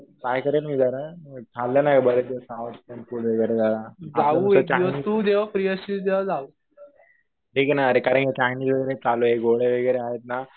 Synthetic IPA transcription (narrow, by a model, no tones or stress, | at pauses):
kajkəɾelmiːd͡zaɾakʰalːanakəbəɾed̪esawut̪ʈɛnfuːɽʋeɡəjɾed͡zalad͡zauət͡ɕaʋst̪ud̪eʋapɾijəɕisd̪eʋad͡zauː | ʈʰiːknaːɾekaɾə̃ɳkjet͡ɕajniːd͡zʋəɡəɾet͡saloɦeɡoɭeʋəɡəɾeaɦet̪̚na